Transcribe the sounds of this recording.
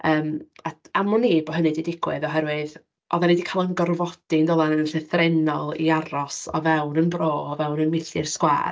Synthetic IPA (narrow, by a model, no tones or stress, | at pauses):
əːmaamɔniːbɔɦənɨdidɪɡ̥wɨðɔɦɛɾwɨð | ʔɔðanidikʰalˠənɡɔrvɔd̥indolˠanənɬɛθrɛnɔlˠḭaɾɔsɔ̰vɛwnənbroːɔvɛwnənmɪɬɪrskwa̰ːr